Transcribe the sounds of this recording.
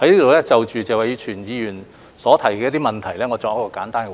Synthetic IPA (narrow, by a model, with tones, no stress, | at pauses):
hɐ˨˥jliː˥t̪o˨wlɛː˥t͡sɐ˨wt͡ʃyː˨t͡sɛ˨wa˨jt͡ʃʰyː˨˩njiː˨˧jyː˨˩n | sɔː˨˥t̪ʰɐ˨˩jkɛː˧˥t̪i˥mɐ˨nt̪ʰɐ˨˩jlɛː˥ŋɔː˨˧t͡ʃɔ˧jkɔː˧kaː˨˥nt̪aː˥nkɛ˧